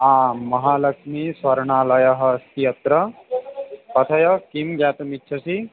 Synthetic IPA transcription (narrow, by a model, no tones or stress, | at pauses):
ãːmɐɦaːlɐkʂmiswɐɾɳaːlɐjɐɦɐst̪ijɐt̪ɾɐ | pɐt̪ʰɐjɐkimɡjaːt̪ɐmitːʃʰɐsi